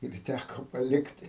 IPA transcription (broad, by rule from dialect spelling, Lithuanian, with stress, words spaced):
ɪr ˈtʲækoː pɐˈlʲɪktʲɪ